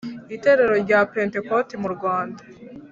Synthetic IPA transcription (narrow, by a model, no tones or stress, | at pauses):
ite̞ɾe̞ɾo̞ɾɟapente̞kotimuɾɡwaːnda